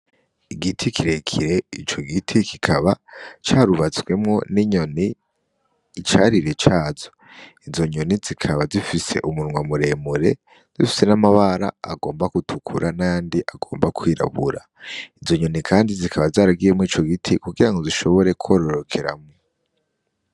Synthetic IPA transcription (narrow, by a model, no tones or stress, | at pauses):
iɡitʰikʰiɾe̞kʰiɾe̞it͡ʃo̞ɡitʰikikʰaβat͡ʃaːɾuβat͡sɡwe̞mŋo̞niɲo̞niː | t͡ʃaːɾiɾe̞t͡ʃaːzo | izo̞ɲonizikʰaβazifise̞̰ʔumuɾŋwamuɾe̞ːmuɾe̞ | z̥ifi̥se̞namaβaɾa̰ːɡo̞ːmbakutʰukʰuɾʔanandiʔaɡo̞ːmbakʰwiːɾa̰βuɾa | izo̞ɲo̞nikʰaːndizikʰaβazaːɾaɡijemuiːt͡ʃo̞ɡitʰikuɡiɾaŋɡo̞ziʃo̞βo̞ɾe̞kʰwo̞ːɾo̞ɾo̞kʰe̞ɾa̰mŋo